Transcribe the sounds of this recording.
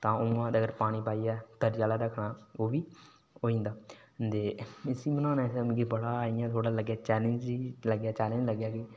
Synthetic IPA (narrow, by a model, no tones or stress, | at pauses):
t̪ãːʊmãːəɡəɾpaːɽ̃iːpaːijɛːd̪̥əɾɪjaːlaːɾəkʰɽaːoːʋiː | oːĩːnd̪aː | d̪eːɪsiːmənãːnãːsəmkibəɽaːɪjãːt̪ʰoːɽaːləɡjaːt͡ʃɛːlənd͡ʒiːləɡjaːt͡ʃaːlə̃d͡ʒləɡjaːkɪ